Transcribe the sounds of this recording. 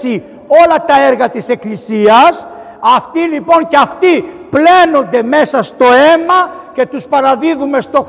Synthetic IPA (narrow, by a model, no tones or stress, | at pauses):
si | o̞lɐt̪ɐeɾɣɐt̪ise̞klisiɐs | ɐft̪ilipo̞nceɐft̪iple̞no̞nd̪e̞me̞sɐst̪o̞e̞mɐce̞t̪uspɐɾɐðiðume̞st̪o̞